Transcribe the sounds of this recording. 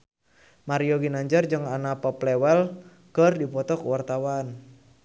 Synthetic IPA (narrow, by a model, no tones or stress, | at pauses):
maɾiɔɡinaɲd͡ʒərd͡ʒɨŋanapɔplɛwɛl | kərdipɔt̪ɔkwart̪awan